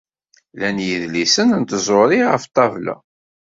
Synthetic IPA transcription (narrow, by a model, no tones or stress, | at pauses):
lænjəðlisənənt̪zˤoɾiʁəft̪ˤːɑvlæ̰